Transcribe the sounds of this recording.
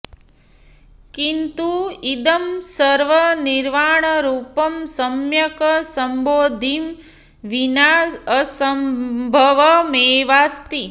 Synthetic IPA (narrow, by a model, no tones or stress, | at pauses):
kint̪uid̪ɐmsɐɾʋɐniɾʋaːɳɐɾuːpɐmsɐmjɐkɐsɐmboːd̪ʱim | ʋinaːəsɐmbʱɐʋɐmeːʋaːst̪i